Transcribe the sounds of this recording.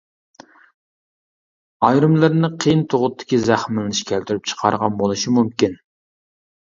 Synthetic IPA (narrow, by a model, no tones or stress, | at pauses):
ɑjɾɨmlˠɨɾnɨqʰijnt̪ʰoʁʊt̪ʰːɪ̥kʲizæχmɪlɪnɪʃkʲʰɛlt̪yɾyp̚t͡ʃʰə̥qʰɑ̰ɾʁɑnbolˠɨʃimumkʲin